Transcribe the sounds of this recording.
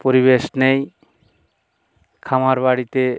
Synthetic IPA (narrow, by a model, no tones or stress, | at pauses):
poɾiβeʃnej | kʰamaɾbaɽit̪e